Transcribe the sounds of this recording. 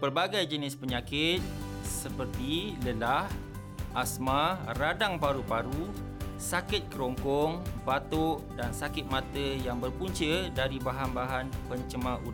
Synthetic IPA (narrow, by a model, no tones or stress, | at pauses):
pərbaɡajd͡ʒənɪspəɲãkɪt̪̚ | səpərt̪iləlah | ʔasmaradaŋpaɾupaɾu | sakɪt̪̚kəɾɔŋkɔŋbat̪ɔʊʔdansakɪt̪̚mãt̪əjaŋbərpuɲt͡ʃədaɾibaɦanbaɦanpəɲt͡ʃəmãuɾa